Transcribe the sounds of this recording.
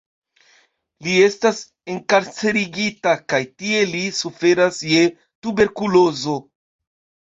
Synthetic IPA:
lie̞stas | e̞ŋkaɾt͡se̞ɾiɡitakajtie̞lisufe̞ɾasje | tube̞ɾkulo̞zo̞

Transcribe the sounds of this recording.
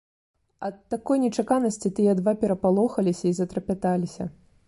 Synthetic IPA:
ɐt̪ːakɔjnʲɛt͡ʂakanɐsʲt͡sʲit̪ɨjɐd̪vapʲɛɾɐpalˠɔxɐlʲisʲɐizɐt̪ɾɐpʲat̪alʲisʲɐ̰

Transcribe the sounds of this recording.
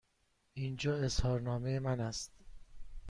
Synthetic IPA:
ind͡ʒɒːe̞shɒːɾnɒːmejemænæst̪

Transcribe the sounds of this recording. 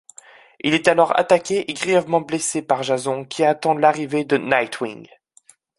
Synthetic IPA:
ilɛt̪alɔʁa̰t̪akʲeʔeɡʁijɛvmɑ̃blesepaʁʒazɔ̃kʲʰiat̪ɑ̃laʁived̪ənajt̪ʰwiŋ

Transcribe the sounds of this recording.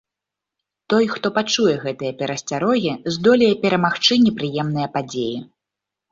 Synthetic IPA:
t̪ɔjxt̪ɔpat͡ʂujɛɣɛt̪ɨjɐpʲɛɾɐsʲt͡sʲaɾɔɣʲizd̪ɔlʲɛjɛpʲɛɾɐmaxt͡ʂɨnʲɛpɾɨjɛmn̪ɨjɐpad͡zʲeji

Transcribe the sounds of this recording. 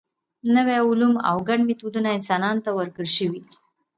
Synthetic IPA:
nəweʊluma̰wɡaɖmit̪ud̪unaɪnsɑnɑnt̪awəɾkəɽʃəwi

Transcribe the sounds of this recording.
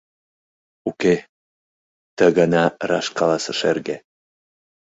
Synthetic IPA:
uke | t̪əɣənɑrɑ̰ʃkɑlɑsə̆ʃḛrɣe

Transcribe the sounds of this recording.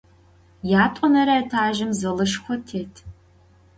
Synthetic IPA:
jaːtʷʼɔnɐɾɐɐtʰaːʒɪmzɐlɨʂxʷɔtʰeːtʰ

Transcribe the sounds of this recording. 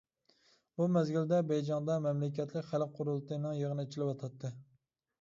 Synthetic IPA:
bumɛzɡʲild̪ɛbɛjd͡ʒɑŋd̪ɑmɛmlɪkʲʰɛt̪ʰlɪkʲχælq̚qʰːʊɾulˠt̪ʰɨnɨŋjəʁənɨet͡ʃʰilɪwɑt̪ʰɑt̪ʰːɨ

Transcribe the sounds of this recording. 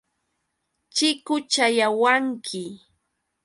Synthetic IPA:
t͡ʃɪkʊt͡ʃajawaŋkʰɪ

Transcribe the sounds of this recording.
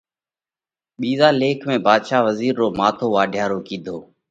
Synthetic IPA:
ɓiːzaːleːkʰmẽːbʱaːd̪ʃaːʋəziːɾːoːmaːt̪ʰoːʋaːɖʱjaːɾoːkĩːd̪ʱoː

